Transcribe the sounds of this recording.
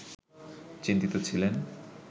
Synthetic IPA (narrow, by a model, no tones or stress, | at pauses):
t͡ɕint̪it̪ot͡ɕʰilen